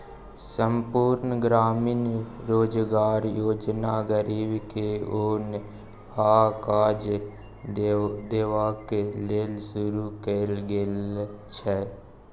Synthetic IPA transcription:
səmpuːɾnəɡɾaːmɪnɾoːd͡ʒɡaːɾjoːd͡ʒnaɡəɾiːbkeoːn | aːkaːd͡ʒ | d̪eːʋakeleːlsʊɾukeːlɡelt͡ʃʰɛː

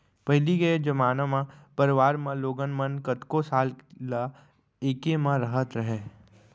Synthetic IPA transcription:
pɐɦliɡɐed͡ʒɐmaːnamãpɐɾɪʋaːɾmãloːɡənmənkət̪kosaːlla | eːkemãɾɐɦət̪ɾɐɦeː

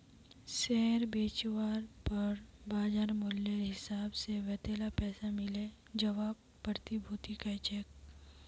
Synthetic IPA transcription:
sɛːɾbeːt͡ʃwaːɾpɐɾbaːd͡ʒaːɾmʊljeɦɪsaːbseʋɛːt̪eːlapɛːsamɪle | d͡ʒɐʋaːb | pːəɾt̪ibʱuːt̪ikat͡ʃeːk

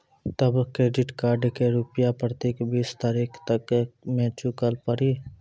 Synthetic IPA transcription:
t̪əbkɾeːɖɪʈkaːɾɖkeɾupjapɾət̪eːkbiːst̪aːɾiːkʰt̪əkmẽːt͡ʃukəlpəɾi

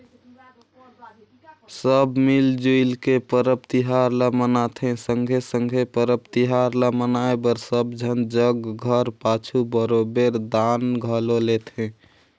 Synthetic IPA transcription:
səbmild͡ʒoilkepəɾəp̚t̪iɦaɾləmənat̪ʰɦɛ̃səŋɡʱesəŋɡʱepəɾəp̚t̪iɦaɾləmənaebəɾsəbd͡ʒʱənd͡ʒəɡɡʱəɾpat͡ʃʰubəɾobeɾd̪anɡʱəlolet̪ʰɦɛ̃

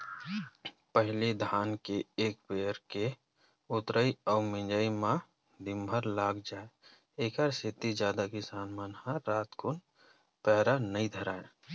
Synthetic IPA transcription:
pəɦlid̪ʱaːnkeeːkbeːɾke | ʊt̪ɾəiɔːɾmɪ̃nd͡ʒəimã | d̪ɪmbʱəɾlaːɡd͡ʒaːe | eːkəɾset̪id͡ʒjaːd̪akisaːnmaːnhãɾaːt̪kʊn | pɛːɾanəid̪ʱəɾaːe

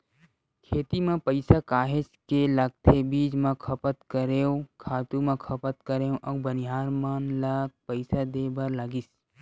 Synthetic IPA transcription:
kʰeːt̪imẽpəɪsakaːɦɪskelɐɡ̚t̪ʰebiːd͡ʒmãkʰɐpət̪kəɾeːõkʰaːt̪ũmãkʰɐpət̪kəɾeːwʔɐːbənɪɦaːɾmanlaɡ̚pəɪsad̪eːbɐɾləɡis

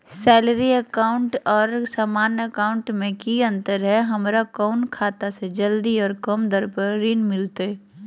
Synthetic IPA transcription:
sɛːləɾiəkaːʊ̃ɳʈɔːɾsaːmaːnjəkaːʊɳʈmẽkiə̃nt̪əɾɦɛɦɐmɾakɔːʊnkʰaːt̪ased͡ʒəld̪iɔːɾkəmd̪əɾpəɾɾiːnmɪlt̪eɦɛ

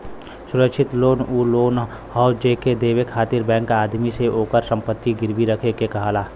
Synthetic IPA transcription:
sʊɾəkʃʰɪt̪loːnuloːn | hɔːʊd͡ʒeked̪eːwekʰaːt̪ɪɾbɛ̃ːŋkaːd̪miseʔoːkəɾsə̃mpət̪ːiɡɪɾbiɾəkʰekekɐɦaːlaː

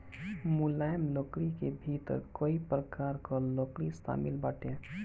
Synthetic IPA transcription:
mʊlaːjmloːkɽikebʱiːt̪ɾkoːipɾəkaːɾkoloːkɽisa̰ːmɪlbaːʈeː

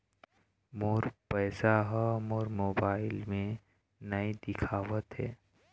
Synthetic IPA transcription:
moːɾpɛːsaɦmoːɾmoːbaːɪlmẽ | nɐid̪ɪkʰaːʋət̪ɦɛː

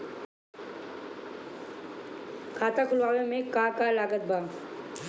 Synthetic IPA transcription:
kʰaːt̪akʰʊlʋaːʋemẽkakalaːɡət̪̚bʱa

